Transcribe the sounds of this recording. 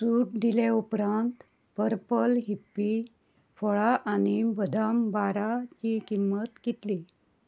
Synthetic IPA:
suːʈd̪ileupɾãnt̪ | pəɾpəlɦipːi | fɔɭaʔañibəd̪ʱambaɾat͡ɕikimːət̪kit̪li

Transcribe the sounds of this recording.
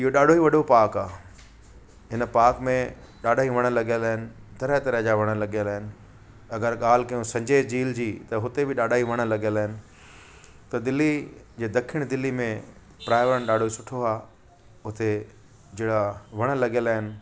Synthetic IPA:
ɪɦoɗaːɖʱoiʋɐɗʱopaːkaː | ɦɪnə̆paːkmẽ | ɗaːɖaːɦiʋɐɽ̃əlɐɠəlaːɦɪnɪ̆t̪ɐɾəɦt̪ɐɾəɦd͡ʑaːʋɐɽ̃ə̆lɐɠjəlaːɦɪnɪ̆ | ɐɡəɾɠaːl̤kɐjũsɐ̃ɲd͡ʑeːd͡ʑiːld͡ʑiːt̪ɐɦʊt̪ebɪɗaːɗaːiʋɐɽ̃ə̆lɐɠəlaːɦɪnɪ̆ | t̪ɐd̪ɪlid͡ʑeːd̪ɐkʰɪɽ̃d̪ɪlːimẽ | pɾaːɪʋɾəɽ̃ɗaːɖʱoisʊʈʰoaː | ʊt̪e | d͡ʑeːɽaʋɐɽ̃ə̆lɐɠjəlaːɦɪnɪ̆

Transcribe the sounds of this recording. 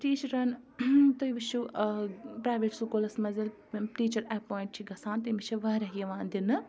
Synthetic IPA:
ʈiːt͡ʃɐɾɐnt̪ɐjʋiʃu | pɾaːʋeːʈsukoːlɐsmɐzil | ʈiːt͡ʃɐɾɛːpoːiɳʈ̚t͡ʃʰiɡɐsãːnt̪imit͡ʃʰɐʋɐɾɐɦijɐʋãːnd̪inɨ

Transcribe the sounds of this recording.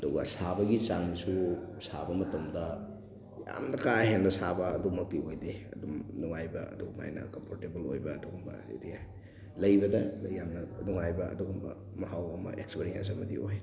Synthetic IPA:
ɐdɔɡɐsabɐɡit͡ʃaŋnisusabɐmɐtɐmdɐ | ja̰mnɐkaɦemdɐsabɐːdumɐk̚tiojdeɐdumnuŋajbɐɐ̰duɡuma̰jnɐ̰kɐmpʰoɾtebɐlo̰jbɐɐduɡumɐ̰ḭdija | lɐjbɐdɐlɐjamnɐnuŋajbɐɐ̰duɡɐmɐ̰ | mɐɦawɐmɐ̰ʔekspeɾiansɐbɐdḭoj

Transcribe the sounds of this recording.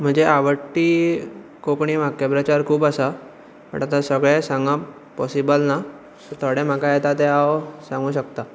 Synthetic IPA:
m̤əɳd͡zeʔaʋəʈːiː | kokɳiːm̤akːepɾət͡ɕaɾkʰuːpasa | pə̰ɽat̪asəɡɭesãŋɡa | pɔsibəlna | ət̪ʰəɽẽm̤akajɛt̪at̪eawsãŋɡuːɕəkt̪a

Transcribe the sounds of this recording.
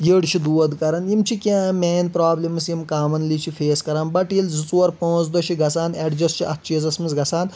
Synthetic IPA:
jeɽt͡ʃʰid̪uɐd̪kɐɾɐnjimt͡ʃʰikʲãːmʲaːnpɾaːblemɐsjimkaːmɐnlit͡ʃʰipʰeːskɐɾaːnbɐʈjilzit͡suɐɾpõːt͡sd̪ɐt͡ʃʰiɡɐsaːneɖd͡ʒɐst͡ʃʰiʔɐt̪̚ʰt͡ʃʰizɐsmɐnzɡɐsʰaːn

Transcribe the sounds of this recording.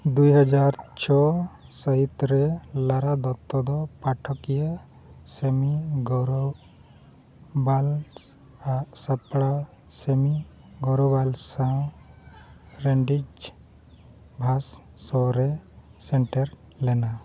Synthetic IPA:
d̪ujɦad͡ʒaɾt͡ʃʰɔsəɦit̪ɾɛlaɾad̪ɔt̪ːɔd̪ɔpaʈʰɔkija | semiɡɔɾɔ | bal | asapɽa | semi | ɡɔɾɔbalsã | ɾeɳɖid͡ʒ | bʱasː | ɔɾɛsɛɳʈɛɾ | lɛna

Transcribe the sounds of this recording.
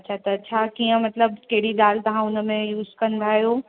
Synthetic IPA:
ɐtːʃʰat̪ɐːtːʃʰakijə̃mɐt̪ləbkɐɦɽiɗ̪aːlt̪ɐʋ̤ãʊnə̆mẽjuːzkɐ̃nd̪aɦijoː

